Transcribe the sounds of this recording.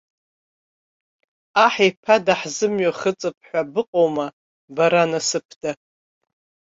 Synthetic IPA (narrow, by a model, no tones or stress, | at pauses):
aħipʰadaħzɨmɥaχət͡sʼɨp̚ʰʼħʷabɨqʼowma | baɾanasɨpʰda